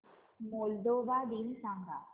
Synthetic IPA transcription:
mold̪oːʋaːd̪iːnsãŋɡa̰ː

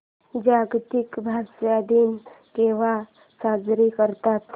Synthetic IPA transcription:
d͡ʒaːɡt̪ikbʱaʃad̪ʱim | keʋa | saːd͡ʒɾikəɾt̪at̪

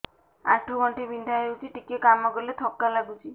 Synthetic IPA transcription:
a̰ʈʰuɡɔɳʈibind̪ʱaɦewt͡ʃʰiʈikekamɔɡɔlet̪ʰɔkːalaɡut͡ʃʰi

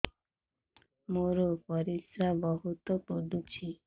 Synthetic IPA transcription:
moɾopɔɾisɾabɔɦut̪opod̪ut͡ʃʰi

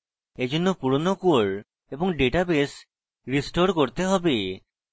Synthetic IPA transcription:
ed͡ʒonːopuɾonokuoɭ | ebɔŋɖeʈabes | ɾisʈoɾkoɾt̪eɦɔbe

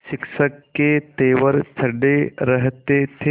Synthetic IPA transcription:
ʃɪkʃəkːet̪eːʋəɾt̪ʰɐɖeɾəɦt̪et̪ʰe

